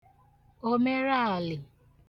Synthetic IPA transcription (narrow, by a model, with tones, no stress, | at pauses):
o˦me˦ɾa˦a˨lɪ˨